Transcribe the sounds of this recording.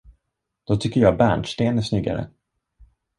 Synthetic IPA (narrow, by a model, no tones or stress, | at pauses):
d̪̥ɔt̪ʰʏkːəɾjɑːbæɳʂʈ̪eːnæsnʏɡa̰ɾə̰